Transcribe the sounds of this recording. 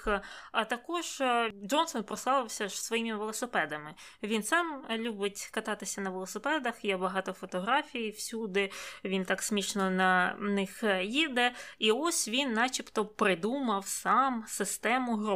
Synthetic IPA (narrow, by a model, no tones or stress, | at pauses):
ɐt̪ɐkɔʒɔnsɔnpɾɔsˠɑʋ̪ˠɪwsʲɐʐsʋɔjimɪʋelˠɔsɪpɛd̪ɐmɪ | ʋʲinsɑmlʲubɪtʲkɐt̪ɑt̪ɪsʲɐnɐʋelˠɔsɪpɛd̪ɐxjɛbɐɦɑt̪ɔfɔt̪ɔɦɾɑfʲijiwsʲud̪ɪʋʲint̪ɑksʲmʲit͡ʃnɔnɐnɪxjid̪ɛiɔsʲʋʲinːɑt͡ʃʲipt̪ɔpɾɪd̪umɐwsɑmsɪst̪ɛmʊɦɾu